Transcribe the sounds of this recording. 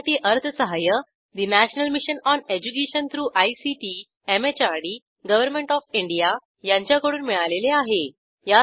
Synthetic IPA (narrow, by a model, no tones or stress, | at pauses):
ʈiːʔəɾt̪ʰəsəɦajə | d̪inæɕnəlmiɕənɔned͡ʑukeɕənt̪ʰɾuːʔajsiʈi | emet͡ɕaɽi | ɡəʋəɾmẽɳʈɔfiɳɖija | jaɲt͡ɕjakəɽuːnmiɭaleleaɦe | ja